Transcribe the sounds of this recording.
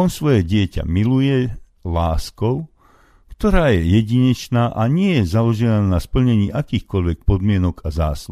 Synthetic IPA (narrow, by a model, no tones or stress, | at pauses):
ɔnsʋɔjɛɟɪɛca̰milujɛ | laːskɔʊ | kt̪ɔɾaːjɛjɛɟiɲɛt͡ʃnaːʔaɲɪɛjɛzalɔʒɛnaːnaspl̩ɲɛɲiːʔakiːxkɔʎʋɛk̚pɔd̪mɪɛnɔɡaza̰ːslu